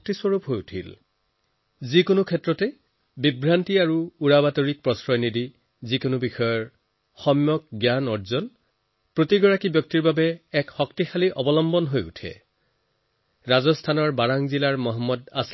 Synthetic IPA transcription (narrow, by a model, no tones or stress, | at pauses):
k̚tiswoɹupɦojutʰḭl | zikonʊkʰɛtɹɔtɛ | bibɹantiaɹuuɹabatoɹik̚pɹɔsɹɔjnidi | zikonʊbixɔjɔɹ | xɔmjɔk̚ɡjanɔɹzɔn | pɹotiɡɔɹakibjɔk̚tiɹbabɛːkxɔktixaliʔɔbɔlɔmbɔnɦojṵtʰɛ̰ | ɹazɔstʰanɔɹbaɹaŋzilaɹmɔɦɔmːɔdas